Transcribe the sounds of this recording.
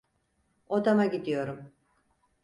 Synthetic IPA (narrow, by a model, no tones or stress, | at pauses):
od̪amaɟid̪ijo̞ɾum